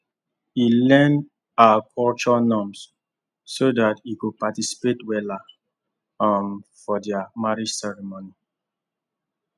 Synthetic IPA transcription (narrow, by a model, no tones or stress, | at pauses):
ilɛ̃nd | aakʰɔlt͡ʃɔnɔ̃ms | sodatikupatisi̥petwɛla | ãmfɔdɛamaɹid͡ʒsɛɹimoni